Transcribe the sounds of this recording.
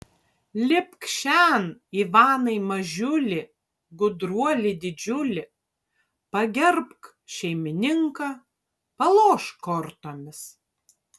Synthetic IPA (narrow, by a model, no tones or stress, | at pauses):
lʲɪpkʃʲæniːʋɑːnɐɪmɐʒʲʊlʲɪ | ɡʊd̪ɾuɔlʲɪd̪ʲɪd͡ʒʲʊlʲɪ | pɐɡʲɛɾpk | ʃʲɛɪmʲɪnʲɪŋkɐ | pɐlˠoːʃkɔɾt̪oːmʲɪs